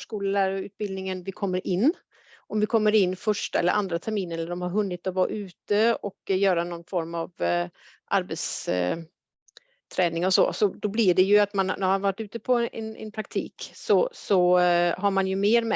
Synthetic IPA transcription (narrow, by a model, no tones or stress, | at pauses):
ʂkuːləlæːɾʉ̟ːt̪̚bɪld̪nɪŋənvɪkʰɔmːəɾʔɪnː | ʔɔmvɪkʰɔmːəɾɪnːfœʂʈaɛ̰ləɾʔa̰nd̪ɾat̪ʰɛɾmiːnənɛlːəɖɔmhaɾɦɵnːɪt̪ːɔvɑ̰ʔʉ̟ːt̪əɔkjœːɾanɔnfɔɾmav | ʔaɾbɛt̪s | t̪ʰɾɛːd̪nɪŋɔso̰ːsɔd̪ɔblɪɖɛjɵat̪mannæɾmhanvɑɾɪt̪ʉːt̪əpʰɔɛ̰nɛ̰npʰɾakt̪ʰḭːksɔsɔɦaɾmanjɵmeːɾmɛ